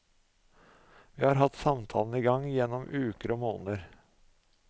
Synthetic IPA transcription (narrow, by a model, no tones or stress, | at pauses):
ʋiːhɑːɾɦɑt̪sɑmt̪ʰɑ̰ːln̩iːɡɑŋjɛnːɔmʔʉːkəɾoːmoːnəɾ